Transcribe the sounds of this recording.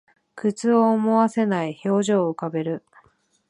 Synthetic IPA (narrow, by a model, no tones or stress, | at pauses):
kɯt͡sɨoːmo̞βase̞naiço̞ːʑo̞ːɯ̟kabe̞ɾɯ̟